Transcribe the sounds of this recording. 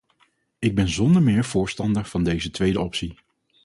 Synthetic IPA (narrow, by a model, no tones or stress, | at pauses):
ɪɡ̚bɛnzɔndəɹmɪːɹv̥ʊːɹstɑndəɹv̥ɑndejzətʋejdəɔpsi